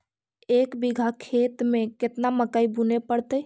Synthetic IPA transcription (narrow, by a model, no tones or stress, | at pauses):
eːkbiɡʱakʰet̪mẽket̪naməkaibunepəɽt̪əj